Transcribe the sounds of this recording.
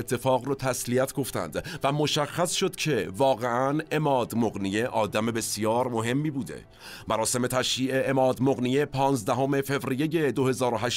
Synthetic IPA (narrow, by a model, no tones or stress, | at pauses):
et̪ʰːe̞fɒːɣɾɔːt̪ʰæsliæt̪ʰɡo̞ft̪æ̰nd̪væmo̞ʃæxːæsʃo̞d̪̥cʰe̞vɒːɣe̞ʔæne̞mɒːd̪moɣnije̞ʔɒːd̪æme̞be̞sjɒːɾmo̞ɦe̞mːiːbuːd̪ḛ | mæɾɒːse̞me̞t̪ʰæʃjiːʔeʔemɒːd̪moɣnijepʰɒːnzd̪æɦome̞fe̞vɾije̞je̞d̪ohe̞zɒːɾoɦæʃ